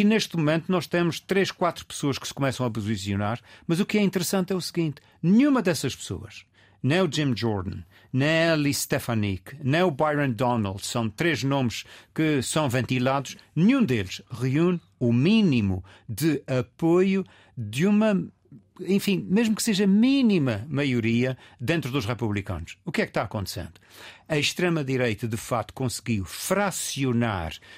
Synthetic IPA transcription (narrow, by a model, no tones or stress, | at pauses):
ineʃt̪mumẽnt̪unɔʃt̪emuʃt̪ɾeʃkwat̪ɾu̥pɨ̥soɐʃkɨ̥sɨ̥kumɛsɐ̃w̃ɐpuzisjunaɾmɐzukɛĩnt̪ɨɾsɐ̃nt̪ɛusɨɣĩnt̪ | nɨɲumɐd̪ɛsɐʃpɨ̥so̰ɐ̰ʃ | nɐ̃j̃ud͡ʒĩmʒɔɾðɐ̰̃n | nɐ̃j̃ɛlˠiʃt̪ɛfɐ̃nḭknɐ̃j̃uβajɾɐ̃nd̪ɔna̰lˠd̪sɐ̃w̃t̪ɾeʒnõmʃkɨsɐ̃w̃vẽnt̪ilˠaðuʃnɨɲũd̪elˠʃʁiun | uminimu | d̪ɨɐpoju | d̪jumɐ | ẽfĩmeʒmukseʒɐminimɐmɐjuɾiɐd̪ẽnt̪ɾuðuʃʁɛpuβlˠikɐ̰nuʃukɛkʃt̪aɐkõnt̪sḛ̃nd̪̥u̥ɐʃt̪ɾemɐðiɾejt̪ɐðɨfak̚t̪u̥kõsɨɣiwfɾasjuna̰ɾ